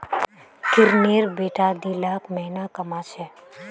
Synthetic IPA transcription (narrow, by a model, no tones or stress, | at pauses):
kɪɾneːɾbeːʈad̪iːlaːkmɛɦnakɐmat͡ʃʰɛː